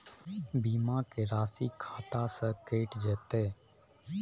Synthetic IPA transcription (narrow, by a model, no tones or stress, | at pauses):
biːmãːkeːɾaːsiːkʰaːt̪aːsə̃keːʈd͡ʒɛːt̪eː